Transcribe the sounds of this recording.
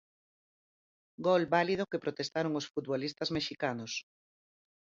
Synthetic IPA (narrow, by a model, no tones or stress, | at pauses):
ɡolbalið̞okepɾot̪est̪aɾoŋosfut̪βolist̪ɐzmeʃikanos